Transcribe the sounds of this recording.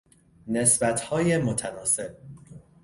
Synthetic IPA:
ne̞sbæt̪hɒːje̞mo̞t̪ʰænɒːse̞b̥̚

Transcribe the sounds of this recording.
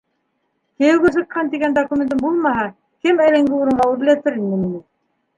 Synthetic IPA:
kæjɘ̆wɡɘ̆sɤ̆qːɑnt̪iɡænd̪okumʲent̪ɘmbulˠmɑɦɑ | kɘmælæŋɡɘuɾɤ̆ɴʁɑʉɾlæt̪ɘɾind̪ɘminɘ

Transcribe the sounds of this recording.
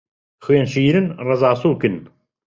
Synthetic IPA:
xwjenʃiːɾɨnrɐzɑːsuːkɨn

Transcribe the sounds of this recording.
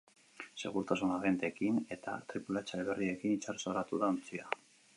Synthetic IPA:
se̞ɣuɾt̪asunaɣe̞nt̪e̞kine̞t̪a̰t̪ɾipulat͡ʃaeβe̞rie̞kinit͡saɾsoɾat̪uðaunt͡sia

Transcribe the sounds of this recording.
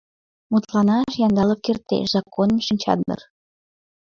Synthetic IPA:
mut̪lɑnɑʃjɑnd̪ɑləp̚kert̪ḛzɑkonəmʃinʲt͡ɕɑ̰t̪̚mə̰r

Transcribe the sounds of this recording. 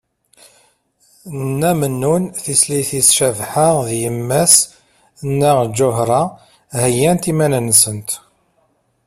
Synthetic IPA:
nːæmənːunθisliθisʃævħəðjəmːæs | nːaʁd͡ʒʊɦɾˤɑ | həjænt̪imænænsənt̪

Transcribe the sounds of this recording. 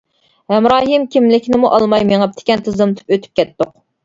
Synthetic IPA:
ɛmɾɑːɦɨmkʲimlɪkʲnɪmuʔɑlˠmɑjmeŋæp̚t̪ʰɪ̥kʲɛnt̪ʰɨzɨmt̪ʰy̥pøt̪ʰy̥p̚kʲɛt̪ːoq

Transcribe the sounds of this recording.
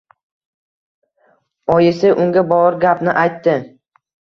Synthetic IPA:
ɒjɪsɪʔʊŋɡʲabɒɾɡʲapnɪʔajt̪ːɪ

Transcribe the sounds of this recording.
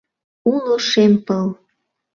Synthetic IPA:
uloʃempəl

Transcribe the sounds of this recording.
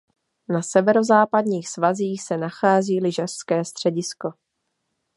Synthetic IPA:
nasɛvɛɾo̞zaːpadɲiːxsvaziːxsɛnaxaːziːlɪʒɛr̥skɛːst̪r̝̥ɛɟɪsko̞

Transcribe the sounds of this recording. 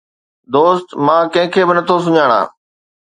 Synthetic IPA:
d̪oːst̪mãːkɐ̃ɦɪ̃kʰeːbɪnɐt̪ʰos̬ʊɲaːɽ̃ã̰ː

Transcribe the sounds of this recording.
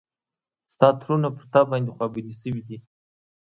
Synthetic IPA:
st̪ɑt̪ɾunapəɾt̪ɑbɑnd̪exwɑbid̪isəwid̪i

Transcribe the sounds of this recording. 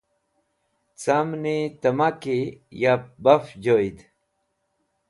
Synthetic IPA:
t͡sɐmnit̪ɐmakijabɐfd͡ʑojd̪

